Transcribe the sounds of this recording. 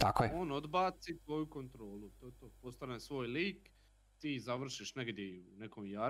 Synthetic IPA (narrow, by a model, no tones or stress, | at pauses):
t̪akojɛo̞ːno̞d̪baːt̪sit̪ʋo̞juko̞nt̪ɾo̞ːlut̪oet̪oːpost̪anesʋo̞ːjliːk | t̪iːzaʋr̩ʃiʃneɡd̪jeune̞komjaː